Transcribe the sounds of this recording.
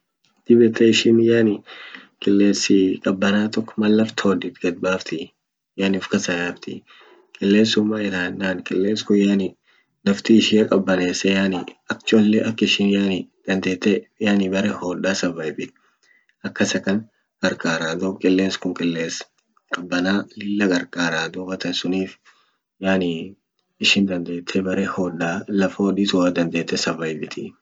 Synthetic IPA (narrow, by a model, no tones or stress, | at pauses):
d̪̥ɪbɛt̪ɛɪʃɪnjaːnɪkʼɪlːeːsɪkʼɐbːɐnaːt̪ɔkːmɐlːɐft̪ʰoːd̪ɪt̪ɡ̥ɐd̪̚baːft̪ɪ | jaːnfkɐsɐjaːft̪ʰɪ̰ | kʼɪlːeːsʊmːaːɪɾaːnːaːnkʼɪlːeːskʊjaːnɪ | nɐft̪iɪʃɪjɐkʼɐbːɐneːsɛjaːniɐk̚t͡ʃɔlːɛʔɐkːɪʃɪnjaːnɪd̪̥ɐnd̪e̞ːt̪ːɛjaːnibɐɾɛhɔːᶑaːsɐvːɐjbɪt̪ | ɐkːɐsɐkɐŋ | ɡ̥ɐɾkʼaːɾaːd̪ɔbkʼɪlːeːnskʊŋkʼɪlːeːs | kʼɐbːɐnaːlɪlːɐɡɐɾkʼaːɾaːd̪ɔbɐt̪ɐnsʊniːf | jaːni | ɪʃɪnd̪ɐnd̪e̞ːt̪ʰːɛbɐɾehɔːᶑaːlɐfoːᶑiːt̪ʊwaːd̪ɐnd̪e̞ːt̪ːɛsɐvːɐjbɪt̪ʰi